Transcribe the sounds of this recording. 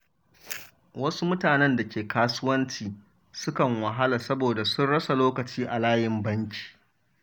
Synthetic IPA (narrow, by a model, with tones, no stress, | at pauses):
wɐ˦su˦mʊ˦taː˨nɛ˦nda˨kʲeː˨kaː˦sʊ˦wɐ˦nt͡ʃiː˨ | sʊ˦kɐ˨ŋwɐ˨ɦa˦la˨sɐ˦boː˨da˨sʊ˦nɽɐ˦sa˨loː˦kɐ˨t͡ʃiː˦ʔa˨laː˦jɪ˨mbɐ˦ŋkʲi̥ː˨